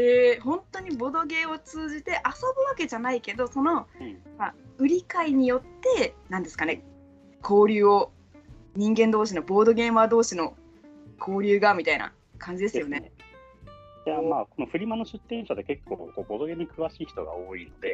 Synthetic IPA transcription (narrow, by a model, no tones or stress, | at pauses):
eːhõ̞nt̪o̞ɲ̟ibo̞d̪o̞ɡe̞o̞t͡sɨːʑit̪e̞ʔaso̞bɯ̟βake̞ʑanaike̞d̪o̞so̞no̞maɯ̟ɾʲikaiɲ̟ijo̞t̪ːe̞nãnd̪e̞sɨ̥kane̞ | kʰo̞ːɾʲɯːo | ɲ̟ĩŋɡẽ̞nd̪oːɕ̬ino̞bo̞ːd̪o̞ɡe̞ːmad̪o̞ːɕino̞ | kʰo̞ːɾʲɯ̟ːɡamʲit̪aina̰ | kʰãɲ̟d͡ʑid̪e̞sɨjo̞ne̞ | amaːko̞noɸɯ̟ɾʲimano̞ɕɨt̪ːẽ̞ɰ̃ɕad̪eke̞kːo̰ːkoːbo̞d̪o̞ɡeɲ̟ikɯ̟βaɕiːçi̥t̪o̞̰ɡa̰oːḭno̞d̪e̞